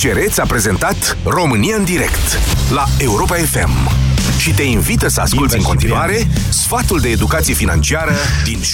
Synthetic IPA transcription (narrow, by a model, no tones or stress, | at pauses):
t͡ʃe̞ɾe̞t̪sʲapɾe̞ze̞nt̪at̪ | ro̞mɨnijaɨnd̪iɾe̞kt̪lae̞uɾo̞pae̞fe̞̰mʃit̪e̞invit̪əsəa̰skult̪sʲiɨŋko̞nt̪inuaɾe̞ | sfat̪uld̪e̞ːd̪ukat̪sije̞fina̰nt͡ʃiaɾəd̪in